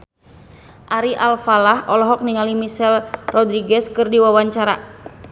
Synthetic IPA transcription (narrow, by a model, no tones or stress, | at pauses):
ʔaɾiʔalfalahɔlɔɦɔk̚niŋalimisɛlrɔd̪ɾiɡɛskɨrdiwawaɲt͡ʃaɾa